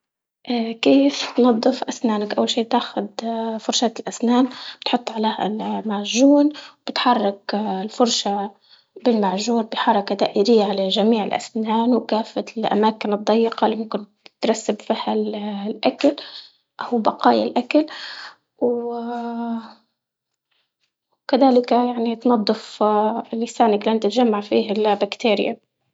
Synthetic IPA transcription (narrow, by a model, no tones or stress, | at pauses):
ʔkeːft̪nɑd̪ˤːɨfʔasnaːnakʔawːalʃiːt̪aːxʊd̪fʊɾʃaːt̪ɪlʔasnaːnbɪ̥t̪ħʊt̪ˤːʕaleːhalmaʕʒuːnwb̥ɪt̪ħɑrˤːɑklfʊɾˤʃa | bɪlmaʕʒuːnbɪħɑɾˤɑkad̪aːʔɪɾɪjːaʕalaʒamiːʕɪlʔa̰snaːnwkaːfːalʔa̰maːkɪnɨd̪ˤːɑjːɪqɑlːimʊmkɪn | t̪ɾˤɑsːabfiːhallʔakal | ʔawbaqɑːjalʔakal | w | kaðaːlɪkjaʕnit̪nɑd̪ˤːɨflːɪsaːnaklʔant̪ɪt̪ʒamːaʕfḭːɦalbakt̪eːɾɪ̰ja̰